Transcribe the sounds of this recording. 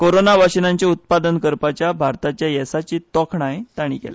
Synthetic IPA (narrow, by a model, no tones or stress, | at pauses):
koɾonaʋaɕənaɲt͡ɕaut̪̚pad̪ənkəɾpat͡ɕjabʱaɾt̪at͡ɕjajɛsat͡ɕiːt̪ɔkʰnaɦet̪aɽ̃ḭkḛle